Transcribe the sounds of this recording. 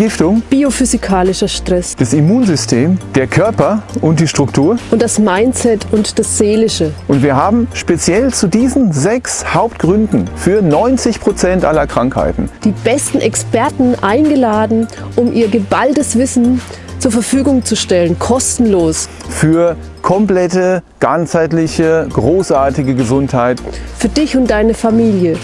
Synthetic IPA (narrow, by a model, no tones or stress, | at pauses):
ɪftʊŋb̥iofyzikʰaːlɪʃɐʃtʁ̥ɛsd̥asimuːnzʏstʰeːmd̥eːɐkʰœɐpɐʔʊnt̚d̥iːʃtʁ̥ʊktʰuːɐʔʊnt̚d̥asmaɪnt͡sɛtʰʊntd̥asz̥eːlɪʃəʔʊntv̥iːɐɦaːbm̩ʃpet͡sjɛlt͡sudiːzn̩zɛkshaʊptɡ̥ʁʏndn̩fyːɐnɔʏnt͡sɪçpʁ̥ot͡sɛntʔa̰lɐkʁ̥aŋkha̰ɪtn̩d̥iːb̥ɛstn̩ʔɛkspɛɐtn̩ʔaɪnɡəlaːdn̩ʔʊmʔiːɐɡəbaltəsv̥ɪsn̩ | t͡suːɐfɛɐfyːɡʊŋt͡suʃtɛlənkʰɔstn̩loːs | fyːɐ | kʰɔmplɛtəɡ̥anshaɪtlɪçəɡ̥ʁoːsʔaɐtɪɡəɡəzʊnthaɪtfyːɐdɪçʊntd̥aɪnəfamiːljə